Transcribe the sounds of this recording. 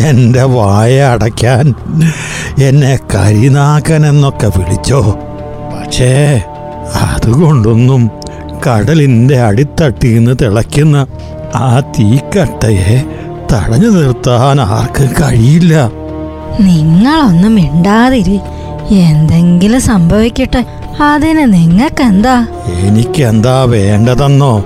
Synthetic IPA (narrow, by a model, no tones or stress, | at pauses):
e̞nde̞ʋaːjɐːɽɐkʲːaːn | e̞nːe̞kɐ̰ɾinaːkːane̞nːo̞kːepiɭḭt͡ɕːo̞ː | pɐkʂe̞ː | ɐ̰ðuɣo̞ɳɖonːum | kɐɽɐlinde̞ɐɽit̪ːɐʈːijunːɨt̪iɭɐkːunːɐ | aːt̪iːkːɐʈːɐje | t̪ɐ̰ɽɐɲːɨnirt̪ːaːnaːrkɨkɐɻijilːɐ | niŋːɐɭo̞nːumiɳɖaːðiɾi | end̪e̞ŋɡilɨsɐmbʱɐʋikʲːiʈːe | ɐðinɨniŋːɐɭkːend̪aː | enikʲːe̞nd̪aːʋe̞ːɳɖɐðɐnːo̞ː